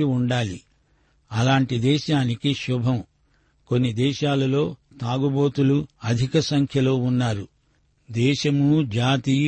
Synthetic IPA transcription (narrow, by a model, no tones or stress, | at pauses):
iuɳɖaːlḭ | ɐlaːɳʈid̪ɛːʃaːnikiʃubʱɐm | ko̞nːid̪ɛːʃaːlɐlo̞ː | t̪aːɡuboːt̪uluɐd̪ʱikɐsɐŋkʰjɐlo̞ːunːaːɾu | d̪ɛːʃɐmud͡ʒaːt̪iː